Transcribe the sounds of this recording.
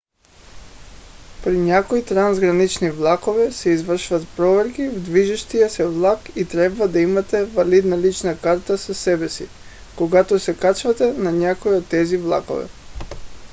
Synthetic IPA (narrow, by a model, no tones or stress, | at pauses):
pɾiɲakoit̪ɾanzɡɾanit͡ʃnivlˠakovɛsɛizvr̩ʃuvat̪pɾɔvɛɾkivd̪viʒiʃt̪ijasɛvlˠakit̪ɾɛbvad̪aimat̪ɛvalid̪nalit͡ʃnakaɾt̪asasɛbɛsi | koɡat̪ɔsɛkat͡ʃvat̪ɛnaɲakoiot̪ːɛzivlˠa̰ko̰vɛ̰